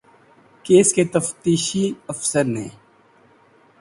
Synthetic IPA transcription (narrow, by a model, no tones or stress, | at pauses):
keːsket̪ɐft̪iːʃiɐfsəɾnḛ̃ː